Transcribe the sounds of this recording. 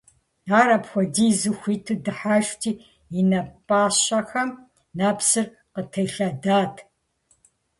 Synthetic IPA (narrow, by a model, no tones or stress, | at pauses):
aːɾɐpxʷɔdiːzɨxʷitʰɨdɨħaːʃtʰiː | inɐpʼaːɕɐxɐm | naːpsɨr | qətʰɐjɬadaːtʰ